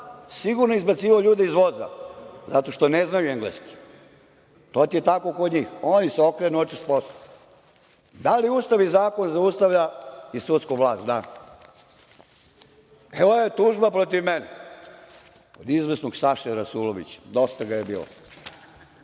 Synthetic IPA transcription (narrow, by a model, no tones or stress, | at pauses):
siɡuɾnoeizbat̪siːʋaoʎuːd̪eizʋoza̰zat̪o̞ʃt̪o̞neznajueŋɡlḛski̥ | t̪ot̪iet̪ako̞kod̪ɲiːxoːnjiseo̞kɾenuot͡ʃispost̪o | d̪aliust̪aʋizaːko̞nzaust̪aʋʎaisut̪skoɡʋla̰ːst̪d̪a | eʋojet̪uːʒbapɾot̪iʋmenɛ | od̪izʋesnoɡsaʃeɾasuːloʋḭt͡ɕḁd̪o̞st̪aɡajebḭːlo̰